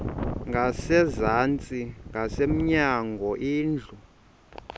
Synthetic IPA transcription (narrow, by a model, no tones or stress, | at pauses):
ŋɡʱasɛzant͡sʼiŋɡʱasem̩ɲaŋɡʱɔʔiːnd͡ɮʱu